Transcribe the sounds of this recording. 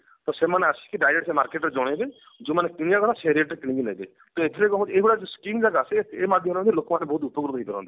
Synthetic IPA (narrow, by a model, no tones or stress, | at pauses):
t̪ɔsemaneasi̥kiɖajɾeʈsemaɾkeʈɾed͡ʒɔɽ̃ebe | d͡ʒomanekiɽijakɔt̪ʰaseɾieʈɾkiɽ̃ĩɡinajbe | t̪ɔet̪ʰiɾekɔɦɔ̃t͡ʃeibɽad͡ʒeskiŋd͡ʒaɡaːseemad̪ʱjɔmɾmɔ̃t̪ilokmanebɔɦut̪̬upɔɡɾut̪ɦijd̪ʱɔɾɔ̰̃nt̪i